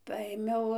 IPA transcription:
ˈpɐeːmʲɛʊ

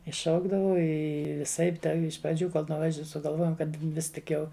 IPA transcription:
ɪ ˈʃɐʊɡdɐʋɐʊ ˈɪ ʋʲɪˈsɐɪp dɐ ɪʃ prɐˈd͡ʒʲuː ˈkoːlˠ nʊˈʋɐʃ sʊɡɐlˠˈʋoːjoːm ˈkɐt ˈʋʲɪs tʲɪk ˈjɛʊ

